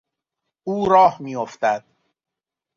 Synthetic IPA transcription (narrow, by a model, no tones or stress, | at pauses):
ʔuːɾɒːhmiːjoft̪æd̪̥